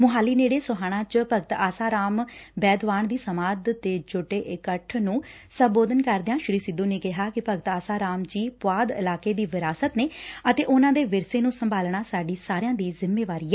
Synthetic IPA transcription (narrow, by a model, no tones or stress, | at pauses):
mʊɦaːliːneːɽeːsʊɦaːɽ̃ãːt͡ʃpəɡt̪aːsaːɾaːmbɛːd̪ʋaːnd̪iːsəmaːd̪t̪eːd͡ʒʊʈːeːʔɪkəʈʰnũː | səmboːd̪ənkəɾd̪eãːʃɪɾiːsɪd̪õːneːkɪɦaːkɪpəɡt̪aːsaːɾaːmd͡ʒiːpʊʋaːd̪ɪ̰laːkeːd̪iːʋɪɾaːsət̪neːət̪eːʔʊnãːd̪eːʋɪɾseːnũːsəmbʱaːlɳaːsaːɖiːsaːɾejãːd̪iːzɪmːeːʋaːɾiːɛː